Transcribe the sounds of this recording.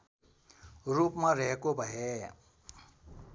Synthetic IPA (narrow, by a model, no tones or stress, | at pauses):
ɾuːpmãɾeɦkobəɦeː